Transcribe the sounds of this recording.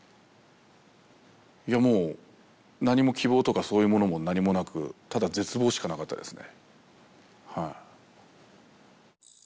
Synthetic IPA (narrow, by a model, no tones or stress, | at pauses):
iamo̞ː | naɲ̟imo̞kʲʰibo̞ːt̪o̞kaso̞ːjɯ̟mo̞no̞mo̞naɲ̟imo̞nakɯ̟̰t̪ad̪aze̞t͡sɨbo̞ːɕi̥kanakat̪ːa̰d̪e̞sɨne̞̰ | haḭ